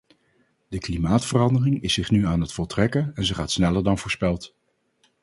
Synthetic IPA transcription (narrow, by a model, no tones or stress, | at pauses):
dəklimaːtfərɑndərɪŋɪsɪχnyaːnɦətfɔlˠtrɛkənɛnzəχaːtsnɛləɹdɑnvʊːɹspɛlˠt